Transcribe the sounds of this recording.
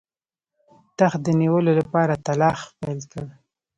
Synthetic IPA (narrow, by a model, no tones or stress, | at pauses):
t̪axd̪əniwəlolapɑɾat̪alɑxpajlkəɽi